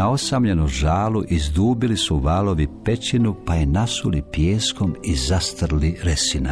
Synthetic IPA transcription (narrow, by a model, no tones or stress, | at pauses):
ao̞samʎenuʒaːluʔizd̪uːbilisuʋaːlo̞ʋipe̞t͡ʃinupajenasulipjeːsko̞mizast̪rliɾesina